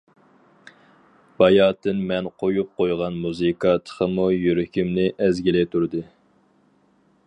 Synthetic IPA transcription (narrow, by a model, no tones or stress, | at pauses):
b̥ɑjɑːt̪ʰɨnmɛnqʰojup̚qojʁɑnmuzɨkʰɑt̪ʰə̥χʰəmujyɾɪkʲʰimnɪʔɛzɡʲilɛt̪ʰuɾd̪ɨ